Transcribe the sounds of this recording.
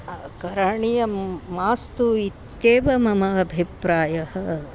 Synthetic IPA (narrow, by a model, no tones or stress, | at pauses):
kɐɾaːɳijɐmaːst̪uit̪ːeːʋɐmɐmɐːbʱipɾaːjɐhɐ